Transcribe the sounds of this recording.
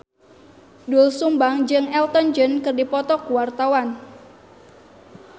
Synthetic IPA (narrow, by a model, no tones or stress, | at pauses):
dulsumbaŋd͡ʒɨŋɛlt̪ɔnd͡ʒənkɨrdipɔt̪ɔkuwart̪awan